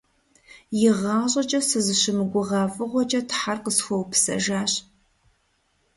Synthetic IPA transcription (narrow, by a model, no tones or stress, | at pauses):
jɪʁɑːɕʼɐt͡ʃʼɐsɨzɨɕɪmɨɡʷʊʁɑːfʼɨʁʷɔt͡ʃʼɐtʰħarqəsxʷɔwpʰsɐ̰ʒaːɕ